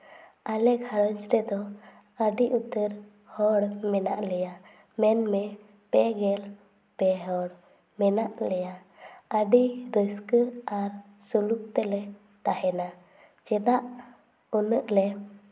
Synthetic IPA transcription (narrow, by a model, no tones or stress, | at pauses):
alɛɡʱaɾəɲt͡ʃɾɛd̪ɔ | əɖiʔut̪əɾ | hɔɽmɛna̰ʔlɛja | mɛnmɛ | pɛɡɛl | pɛɦɔɽ | mɛnaʔlɛja | əɖiɾəskəaɾ | suluk̚t̪ɛlɛ | t̪aɦɛna | t͡ʃɛd̪aʔ | unəʔlɛ